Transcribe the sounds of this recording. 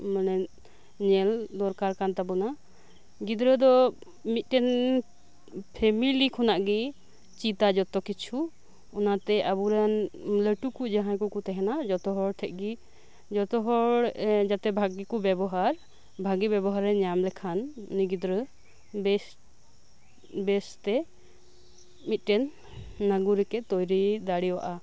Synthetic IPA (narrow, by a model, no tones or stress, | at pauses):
mənɛ | ɲɛld̪ɔɾkaɾkant̪abɔna | ɡid̪ɾəd̪ɔ | mit̪̚ˀtɛn | pʰɛmilikʰɔnaʔɡi | t͡ʃit̪ad͡ʒɔt̪ɔkit͡ʃʰu | ɔnat̪ɛabuɾanləʈukud͡ʒaɦãjkɔkɔt̪ɛɦɛnad͡ʒɔt̪ɔɦɔɽʈʰɛʔ̚ˀɡi | d͡ʒɔt̪ɔɦɔɽd͡ʒat̪ɛbʱaɡikɔbjɛbɔɦaɾ | bʱaɡibɛbɔɦaɾɛɲamlɛkʰanːiɡit̪ɾə | bɛ | bɛst̪ɛ | mit̪̚ˀʈɛnː | aɡuɾɛkɛʔ̪t̪ɔjɾid̪aɽiwa̰ʔa